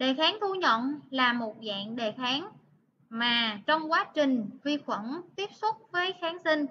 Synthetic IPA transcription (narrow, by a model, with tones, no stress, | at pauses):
ɗe˨˩xaː˨˦ŋt̪ʰu˧ɲə̰˧˨nlaː˨˩mo˨˩t̚za̰ː˧˨nɗe˨˩xaː˨˦ŋ | maː˨˩t͡ɕɔ˧wŋ͡mkwaː˨˦t͡ɕï˨˩ŋ̟vi˧xwə˧˩nt̪i˦˥əp̚su˦˥t̚vəː˨˦jxaː˨˦nsi˧ŋ̟